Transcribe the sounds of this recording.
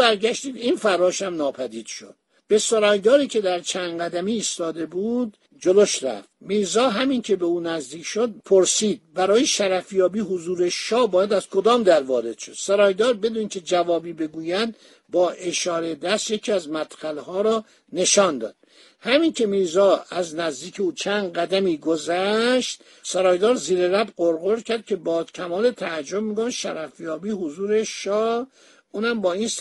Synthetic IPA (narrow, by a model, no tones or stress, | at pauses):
bæɾɟæʃt̪iːd̪infæɾɒːʃæmnɒːpʰæd̪iːd̪̥ʃo̰d̪̚ | b̥e̞soɾɒːjd̪ɒːɾiːcʰe̞d̪æɾt͡ʃʰænɡæd̪æmiːst̪ɒːd̪e̞buːd̪ | d͡ʒoloʃɾæ̰ft̪miːɾzɒːɦæmincʰe̞be̞uːnæzd̪iːcʰʃod̪̚pʰoɾsiːd̪̚bæɾɒːjeʃæɾæfjɒːbiːɦozuːɾe̞ʃɒːbɒːjæd̪æz̥kʰo̞d̪ɒːmd̪æɾvɒːɾe̞d̪̥ʃod̪̥soɾɒːjd̪ɒːɾbe̞d̪uːncʲʰe̞d͡ʒævɒːbiːbe̞ɡuːjæd̪ | bɒːʔe̞ʃɒːɾed̪æst̪jecʰiːæzmæt̪xælhɒːɾɒː | ne̞ʃɒːnd̪ɒ̰ːd̪̥̚ | hæmincʰe̞miːzɒːæznæzd̪iːcʰeuːt͡ʃʰænd̪ɢæd̪æmiːɡozæʃt̪ | sæɾɒːjd̪ɒːɾziːɾeɾæbɢoɾɣoɾcʰæɾd̪̚cʰe̞bɒːcʲʰæmɒːle̞t̪ʰæd͡ʒːobmiːɡomʃæɾæfjɒːbiːhozuːɾeʃɒː | uːnhæmbɒːiːns